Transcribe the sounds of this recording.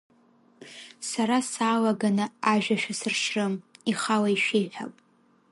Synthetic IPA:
saɾasaːlaɡanɨaʒᶣaʃᶣasɨrʂrɨmiχalaiʃejħʷᶣa̰pʼ

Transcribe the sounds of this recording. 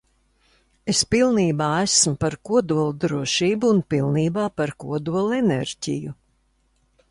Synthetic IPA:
espilˠniːbaːæsmʊpaɾkuɔd̪uɔlˠd̪ɾuɔʃiːbuːnpilˠniːbaːpaɾkuɔd̪uɔlˠenḛɾɟʲḭju

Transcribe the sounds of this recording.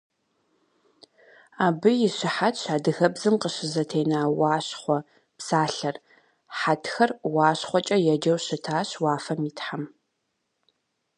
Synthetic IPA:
aːbɨjɪɕɪħatʰɕaːdɨɣɐbzɨmqəɕɪzɐtʰeːnaːwɑːɕχʷɔ | psaːɬɐr | ħatʰxɐrwɑːɕχʷɔt͡ʃʼɐjɛd͡ʒɐwɕɨtʰaːɕwaːfɐmiːtħam

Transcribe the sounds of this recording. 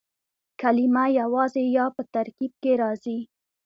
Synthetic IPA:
kalɪmajawɑzejɑpət̪aɾkib̚keɾɑzi

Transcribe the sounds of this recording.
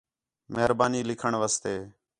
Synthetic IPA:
məɦɾbaːniːlɪkʰəɳʋaːst̪eː

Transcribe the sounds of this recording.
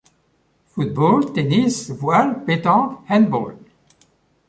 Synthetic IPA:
fut̪̚bolt̪enisvwalpet̪ɑ̃hɛ̃nbo̰l

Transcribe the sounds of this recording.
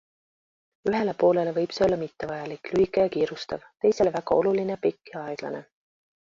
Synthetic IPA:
yɦe̞le̞po̞ːle̞le̞vɤjb̥seo̞lːɑmit̪ːe̞vɑjɑlikːˑlyikːˑejɑkiːɾust̪ɑvt̪e̞jse̞levæɡɑ̰o̞̰lulinejɑpikːˑiɑeɡ̥lɑ̰ne̞̰

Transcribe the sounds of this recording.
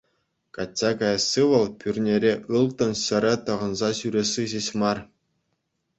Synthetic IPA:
kɑtʲːɑkɑjɑsːɯʋɤ̆lˠpʲyrʲnʲeɾʲeʔɯlˠt̪ɤ̆nɕɘ̆ɾʲɘ̆t̪ɤ̆ʁɤ̆nzɑɕyɾʲesiʑeɕmɑr

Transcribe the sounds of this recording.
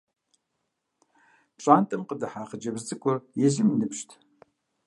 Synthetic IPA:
ɕʼaːntʼɨmqədɐħaːχəd͡ʒɐbzzʼɨkʷʼʊrjɛzɪmnɨpʃtʰ

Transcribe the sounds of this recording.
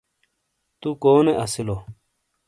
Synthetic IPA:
t̪ukoːneʔɐsilo

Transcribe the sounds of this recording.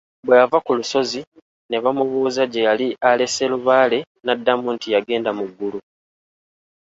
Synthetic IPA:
bwe̞javakuluso̞zi | ne̞βamuβuːzaɟejaliale̞se̞luβaːle̞ | nadːamuntijaɡe̞ːndamuɡːulu

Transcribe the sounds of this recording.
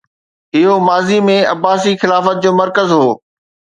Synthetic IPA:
ɪɦomaːzimẽɐbaːsixɪlaːfət̪̚d͡ʑoːmɐɾkəzɦoː

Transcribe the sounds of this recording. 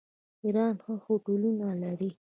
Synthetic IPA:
iɾɑːnxəxoʈolinalaɾi

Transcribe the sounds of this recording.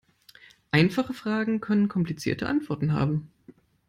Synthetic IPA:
ʔaɪnfaχəfʁ̥aːɡŋ̩kʰœnənkʰɔmplit͡sḭɐtəʔa̰ntv̥ɔɐtn̩ɦa̰ːbm̩

